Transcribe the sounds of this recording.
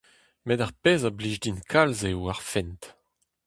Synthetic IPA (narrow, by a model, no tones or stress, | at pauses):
medaʁpeːzabliʒdinkʰalzewaʁfɛnt